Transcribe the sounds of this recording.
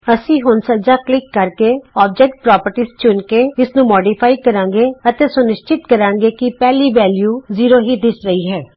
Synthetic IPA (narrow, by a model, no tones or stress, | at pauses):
əsĩːɦʊnsəd͡ʒaːklɪkːəɾkeːɔːb̚d͡ʒɛːk̚ʈ̚pɾɔːpəɾʈiːst͡ʃʊnkeːɪsnũːmɔːɖiːpʰaːikəɾãːŋɡeːət̪eːsʊnɪʃt͡ʃɪt̪kəɾãːŋɡeːkɪpɛːliːʋɛːljuːziːɾoːɦiːd̪ɪsɾəiːɦɛː